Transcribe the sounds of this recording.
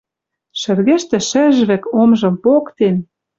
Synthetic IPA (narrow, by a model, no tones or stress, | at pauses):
ʃɘ̆rɣĕʃt̪ɘ̆ʃɘ̆ʒβɘ̆komʒɤ̆mpokt̪en